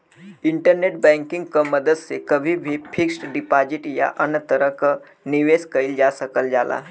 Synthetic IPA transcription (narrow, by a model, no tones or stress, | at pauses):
iɳʈəɾneʈ̚bɛ̃ŋkiŋɡkəməd̪əd̪sekəbʱibʱipʰiksʈɖipad͡ʑiʈja̰ʔənət̪əɾək | niʋeskəild͡ʒasəkəld͡ʒala̰